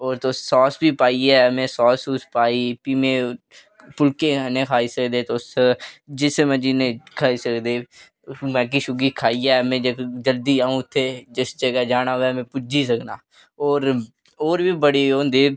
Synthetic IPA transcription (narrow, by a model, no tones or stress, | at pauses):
oːɾt̪oːɔːsbiːpaːiːɛːmɛ̃ːsɔːsuspaːiːpiːmẽː | pʊlkẽːnẽːkʰaːiːsəkd̪eːt̪osd͡ʒɪsmɛ̃ːd͡ʒineːkʰaːiːsəkd̪eː | mɛ̃ːk̬iʃʊɡiːkʰaːiːɛːmẽːd͡ʒəd͡ʒəld̪iːaːũːʊt̪ʰːeːd͡ʒɪsd͡ʒəɡɛːd͡ʒaːnaːʋɛːmɛ̃ːpʊd͡ʒiːs̬əknaː | oːɾ | oːɾbiːbəɽiːõːnd̪eː